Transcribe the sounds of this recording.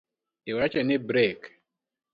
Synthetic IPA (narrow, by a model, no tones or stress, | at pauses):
iwat͡ʃɛnibɾek